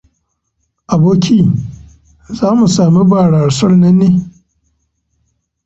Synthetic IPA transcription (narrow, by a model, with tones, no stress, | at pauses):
ʔa˨boː˦kʲiː˦ | zaː˦mu˨saː˨mi˦baː˨ɽa˨rsɐ˦rnɐ˦nːeː˦